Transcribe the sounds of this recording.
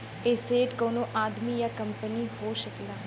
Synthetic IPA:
eːseːʈkoːnoʔaːd̪mijakɐ̃mpəniɦoːʃəklaː

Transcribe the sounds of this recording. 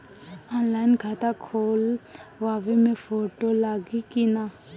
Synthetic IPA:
ɔ̃ːnlaːɪnɡʱat̪akʰoːl | ʋaːʋemẽfoːʈolaːɡikina

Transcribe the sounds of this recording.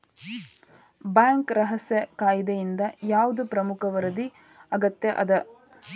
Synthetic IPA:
baːŋkɾɐɦɐsjɐkaːjd̪ɐjind̪ɐjaːʋud̪upɾɐmukʰɐʋɐɾɐd̪i | ɐɡɐt̪jɐʔɐd̪ɐ

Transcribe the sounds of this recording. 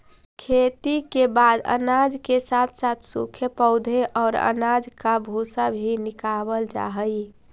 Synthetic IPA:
kʰet̪ikebad̪ə̰nad͡ʒkesat̪ʰsat̪ʰsṵkʰjəpəʊd̪ʱeʔɔːɾə̰nad͡ʒkabʱusabʱinɪkabəld͡ʒa̰ɦəj

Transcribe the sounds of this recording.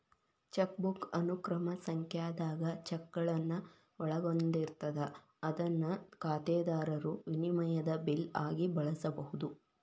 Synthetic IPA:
t͡ʃɐk̚bukɐnukɾɐmɐsɐŋkjaːd̪aːɡɐt͡ʃɛkːɐɭɐnːɐ | ɔɭɐɡond̪iɾt̪ɐd̪ɐ | ɐd̪ɐnːɐkaːt̪ɛːd̪aːɾɐɾuʋinimɐjɐd̪ɐbilaːɡibɐɭɐsɐbɐhud̪u

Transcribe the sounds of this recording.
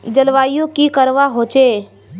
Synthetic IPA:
d͡ʒəlʋajjõkikəɾʋaɦot͡ʃe

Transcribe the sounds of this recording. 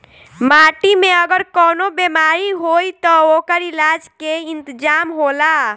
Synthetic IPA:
maʈimeəɡəɾkɔnobemaɾiɦojt̪ɔokəɾilad͡ʒkeint̪əd͡ʒamɦola

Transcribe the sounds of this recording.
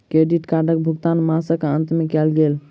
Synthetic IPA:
kɾeɖiʈkaɾɖək̚bʱuɡt̪anmasəkənt̪mekɛlɡel

